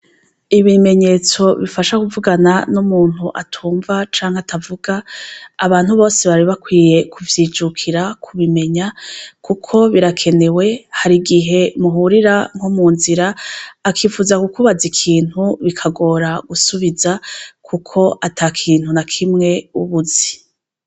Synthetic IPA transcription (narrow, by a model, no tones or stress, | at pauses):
iβime̞ɲe̞ːt͡so̞βifaʃakuvuɡananumuːn̥huʔatʰuːɱvat͡ʃaːŋheatʰavuɡaːβaːn̥huβo̞ːse̞βaɾiβakwiːje̞kʰuvjiːd͡ʒukʰiɾakʰuβime̞ɲakukʰo̞βiɾakʰe̞ne̞we̞haɾiɡiɦe̞muɦuɾiɾaŋ̥homuːnziɾaːkʰiːfuːzakukuβazikʰiːn̥huβikʰaɡo̞ːɾaɡ̥usuβizakʰukʰo̞ʔataːkʰiːn̥hunakʰimŋe̞uβuzi